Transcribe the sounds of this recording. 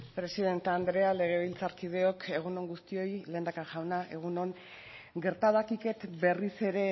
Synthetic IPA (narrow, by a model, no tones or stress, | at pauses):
pɾe̞siðe̞nt̪ːnd̪ɾe̞ale̞ɣ̞e̞β̞ilt͡saɾkiðe̞o̞kʰe̞ɣ̞uno̞ŋɡust̪io̞jle̞ːnd̪akaʝawnaʔe̞ɣ̞uno̞ŋ | ɡe̞ɾt̪aðakike̞t̪be̞rise̞ɾe̞